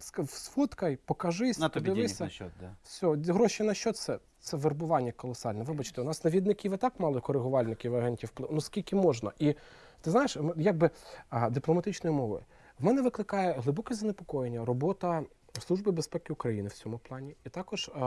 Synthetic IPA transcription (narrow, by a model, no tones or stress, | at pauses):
ssfɔt̪kɐjpɔkɐʒɪsʲp̪d̪ʲɪʋɪsʲɐsʲɔɦɾɔʃɪnɐʃt͡ʃɔt̪sɛ | t̪sɛʋerbʊʋɑnʲːɐkɔlˠɔsɑlʲnɛʋɪbɐt͡ʃt̪ɛʊnɑsnɐʋʲid̪nɪkʲiʋɪt̪ɑkmɑlˠɔkɔɾɪɦʊʋɑlʲnɪkʲiʋɐɦɛnʲtʲiwplˠɪnuskʲilʲkʲɪmɔʒnɐ̰ʔi | t̪ɪznɑjɪʃjaɡ̚bɪd̪ɪplˠɔmɐt̪ɪt͡ʃnɔjimɔʋɔ̰j | wmɛnɛʋɪklˠɪkɑjɛɦlˠɪbɔkɛzɐnepɔ̥kɔjenʲːɐrɔbɔt̪ɐ | slˠuʒbɪbespɛkɪʊkɾɐjinɪwt͡sʲɔmʊplˠɑnʲiit̪ɑkɔʒ̥